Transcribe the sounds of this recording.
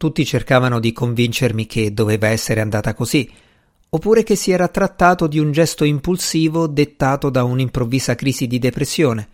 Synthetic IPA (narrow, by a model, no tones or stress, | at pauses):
t̪ut̪ːit͡ʃerkaːvanod̪ikoɱvint͡ʃermikʰed̪ːoveːvaɛsːeɾeand̪aːt̪akozi | opːuːɾek̟esːiɛːɾat̪ɾat̪ːaːt̪od̪iund͡ʒɛst̪oimpulsiːvod̪et̪ːaːt̪od̪aunimpɾovːiːzakɾiːzid̪id̪epɾesːjoːne